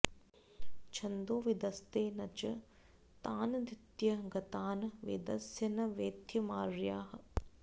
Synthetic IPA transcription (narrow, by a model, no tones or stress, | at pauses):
t͡ʃʰɐnd̪oːʋid̪ɐst̪eːnɐt͡ʃɐ | t̪aːnɐd̪it̪jɐɡɐt̪aːnɐʋḛd̪ɐsjɐnɐʋeːt̪jɐmaːɾjaːɦɐ